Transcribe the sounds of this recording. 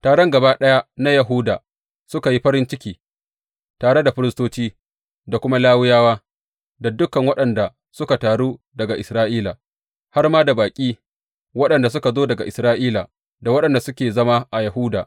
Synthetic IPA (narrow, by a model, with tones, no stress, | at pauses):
taː˨ɽɔ˦ŋɡɐ˨baː˦ɗɐ˦ja˦na˦jɐ˨ɦu˦da̰ː˨ | sʊ˦ka˨ji˦ɸɐ˦ɾɪ˦nt͡ʃɪ˦kʲiː˦ | taː˨ɽe˦da˨ɸɪ˦ɾɪ˦stoː˦t͡ʃiː˦ | da˨kʷʊ˦ma˦laː˦wʊ˦jaː˦waː˦ | da˨dʊ˦kɐ˨ŋwɐ˦ɗɐ˨nda˨ | sʊ˦ka˨taː˨ɽuː˦ | dɐ˨ɡa˨ʔɪ˨sɾaː˦ʔiː˦la˨ | ha˦rmaː˦da˨baː˨kʲʼiː˦ | wɐ˦ɗɐ˨nda˨s̬ʊ˦ka˨zoː˦dɐ˨ɡa̰˨ʔɪ˨sɾaː˦ʔiː˦la˨ | da˨wɐ˦ɗɐ˨nda˨sʊ˦kʲeː˨zɐ˦ma˦ʔa˨jɐ˨ɦʊː˦da̰ː˨ʔ